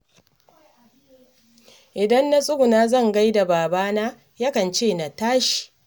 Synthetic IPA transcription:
ʔɪ˨dɐ˦nːa˦sʼʊ˦ɡu˨naː˦zɐ˦˨ŋɡa˦jda˨baː˨baː˦naː˦ | ja˦kɐ˨nt͡ʃeː˦˨na˨taː˦ʃi̥˨

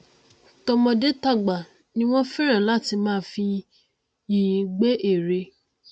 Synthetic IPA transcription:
tɔ˧mɔ̃˧de˦ta˦˨ɡ͡ba˨ | nĩ˦w̃ɔ̃˦fĩ˦ɾ̃ã˦˨la˦˨ti˧mãː˦fi˧ | ji˨˦ɡ͡be˦ʔe˦˨ɾe˧

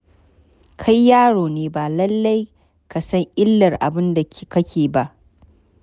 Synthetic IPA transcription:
kʰa˦jːaː˦ɽoː˨neː˦ba˨lɐ˦lːa˦j | ka˨sɐ˦ŋʔɪ˦lːɐ˨rʔa̰˨bɪ˦nda˨kʲi˨kɐ˦kʲeː˨ba˦ʔ

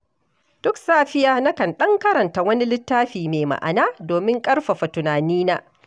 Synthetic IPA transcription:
d̥ʊ˦ksaː˦ɸɪ˦jaː˦na˦kɐ˨nɗɐ˦ŋkɐ˦ɾɐ˨nta˨wɐ˦ni˦lɪ˦tːaː˦ɸiː˨meː˨ma̰˨ʔa̰˨naː˦doː˨mɪ˦ŋkʼɐ˦ɽɸa˨ɸa˨tʊ˨naː˨niː˦naː˦

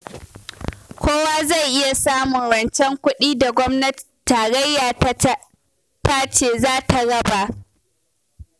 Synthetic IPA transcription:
kʷʰoː˦waː˦za˦˨jʔɪ˦ja˨saː˦mʊ˨ŋɽɐ˨nt͡ʃɛ˦ŋkʷʊ˦ɗiː˦da˨ɡʷɔ˦mnɐ˦t | tːaː˨ɽɐ˦jːaː˨ | taː˦t͡ʃeː˨zaː˦ta˨ɽɐ˦ba˨ʔ

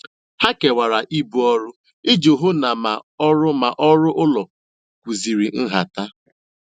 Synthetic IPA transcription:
ha˦ke˨wa˨ɾa˨ʔi˦bu˦ɔ˦ɾʊ˦ | ɪ˦d͡ʒo˨ɦo˦na˨ma˨ɔ˦ɾʊ˦ma˨ʔɔ˦ɾʊ˦ʔʊ˦lɔ˨ | kʷu˨zi˨ɾi˨n̩˦ɦa̰˨ta˦

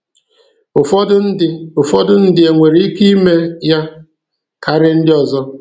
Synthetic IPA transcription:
ʊ˨fʊ˨fɔ˦dʊ˦n̩˦dɪ˦e˨ŋʷe˨ɾi˦i˦ki˦me˦ja˦ | kʰa˨ɾɪ˦n̩˦dɪ˦ɔ˨zɔ˦

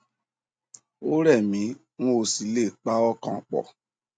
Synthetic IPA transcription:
o˦ɾɛ˦˨mĩ˨˦ | ŋo˦˧si˨˦le˦˨k͡pa˦ɔ˦kã̰˦˨k͡pɔ̰˨

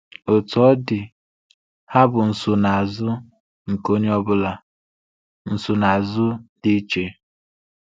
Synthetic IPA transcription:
o˨tɔ˦dɪ˨ | ha˦bʊ˨n̩˨sʊ˨na˨zʊ˦ | ŋ̩˨ko˦ɲ˦ɔ˦bʊ˦la˨ | n̩˨sʊ˨na˨zʊ˦di˦t͡ʃe˨

